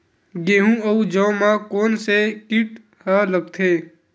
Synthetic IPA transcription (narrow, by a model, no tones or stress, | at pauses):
ɡeːɦũəud͡ʒɔ̃ːmãkoːnsekɪʈ | hələɡ̚t̪ʰeː